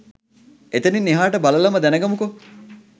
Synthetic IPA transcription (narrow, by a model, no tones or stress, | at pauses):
et̪eninːiɦaːʈəbalɐlɐmɐd̪ænəɡɐmuko